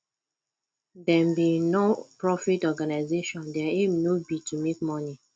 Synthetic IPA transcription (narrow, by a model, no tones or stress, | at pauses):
dɛ̃mbinopɹɔfitɔɡanaɪzeʃɔ̃ndɛaemnobitumek̚mɔni